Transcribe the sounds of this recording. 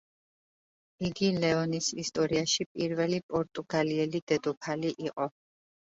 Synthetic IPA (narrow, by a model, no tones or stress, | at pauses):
iɡilɛɔnisist̪ʼɔɾiaʃipʼiɾvɛlipʼɔɾt̪ʼuɡaliɛlid̪ɛd̪ɔpʰaliʔiqʼɔ